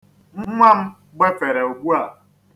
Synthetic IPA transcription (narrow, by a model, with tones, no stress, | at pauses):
ŋ̩˦ŋʷa˦m̩˦ | ɡ͡be˦fe˨ɾe˨o˨ɡʷu˦a˨